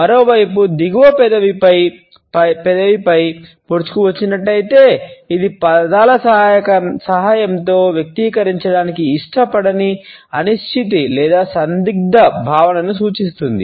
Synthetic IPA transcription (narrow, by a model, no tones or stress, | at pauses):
mɐɾo̞ːʋɐjpud̪iɡuʋɐpɛd̪ɐʋipɐj | ɐpɛd̪ɐʋipɐjpoɾut͡ʃu̥kuʋɐt͡ʃːinɐʈːɐjit̪e̞ːid̪ipɐd̪aːlɐsɐjɐkɐsɐɦaːjɐmt̪o̞ːʋjɐk̚t̪iːkɐɾiɲt͡ʃɐɽaːnikiːʂʈɐpɐɽɐniɐniʃʈʰit̪̬ilɛːd̪aːsɐnd̪iɡ̚d̪ɐbʱaːʋɐnɐnusuːt͡ʃis̬t̪und̪ḭ